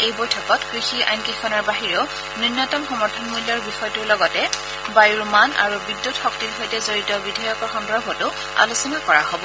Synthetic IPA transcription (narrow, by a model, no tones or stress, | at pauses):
ejbojtʰɔkɔtkɹixia̰jnkixʰɔnɔɹbaɦiɹɔ | nɔnːɔtɔmxɔmɔɹtʰɔnmuljɔɹbixɔjɔtʊɹlɔɡɔtɛ | bajɹumana̰ɹubidːutxɔk̚tilɦojtɛzoɹitɔbidʱajɔkɔɹxɔndɹɔbʱɔtʊ | a̰lusɔnakɔɹaɦobɔ